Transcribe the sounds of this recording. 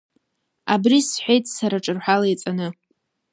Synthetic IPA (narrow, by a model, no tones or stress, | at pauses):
abrisħʷejtʼsaɾaʈ͡ʂʼɨrħʷᶣalajt͡sʼanɨ